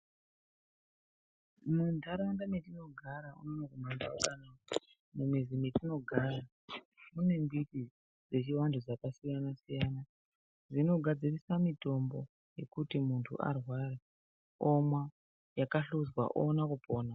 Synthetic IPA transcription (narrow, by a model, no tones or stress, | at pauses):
mundʱaɾandametino̞ɡʱaɾaṵnonokumamba̰oɗanako | mumizimitino̞ɡʱaɾa | mune̞mbiti | d͡ze̞t͡ʃiwandʰʱod͡zakasijanasijana | zino̞ɡʱad͡zirisamito̞mbo̞ | je̞kutimuntʰṵʔa̰rwaɾe | omwa | jakaɬuzwa̰ʔo̰ːnakupʰoːna